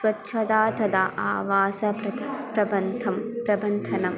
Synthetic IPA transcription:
sʋɐtːʃʰɐd̪aːt̪ɐd̪aʔaːʋaːsɐɐpɾɐbɐnd̪ʰɐmpɾɐbɐnd̪ʱɐnɐm

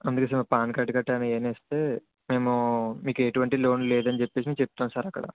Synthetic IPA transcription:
ɐnd̪ukes̬ɐmɐpaːnkaːʈːikɐʈːaːnɐeːneːst̪e̞ː | me̞ːmumiːkeʈuʋɐɳʈilo̞ːnleːd̪ɐnit͡ʃepːe̞ːsimiːkt͡ʃep̚t̪uːnsaːɾɐkːɐɽɐ̰

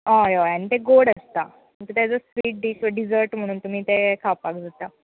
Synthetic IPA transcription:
ajajañit̪eɡoɽəst̪a | mət̪ət̪jad͡zəsʋiːʈ̚ɖiːsʋəɖid͡zəɾʈm̤əɽ̃uːnt̪um̤iːt̪ekʰapakd͡zʱat̪a

